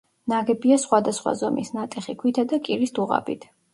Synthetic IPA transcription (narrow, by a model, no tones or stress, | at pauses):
naɡɛbiasχwad̪asχwa̰zɔmḭsnat̪ʼɛχikʰwit̪ʰad̪akʼiɾisd̪uʁa̰bḭt̪ʰ